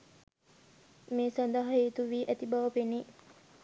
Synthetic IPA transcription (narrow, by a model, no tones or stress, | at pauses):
meːsand̪əɦɐeːt̪uʋiːʔæt̪ibaʋəpeni